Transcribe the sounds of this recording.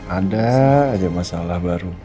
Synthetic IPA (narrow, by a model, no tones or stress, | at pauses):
adaːdamasalahbaɾu